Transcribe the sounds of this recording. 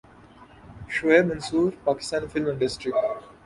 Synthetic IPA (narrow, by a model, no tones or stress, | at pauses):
ʃoeːmɐ̃nsuːɾpaːkɪ̥st̪ãːnifɪlmə̃ɳɖɪsʈɾɪk̚ʈ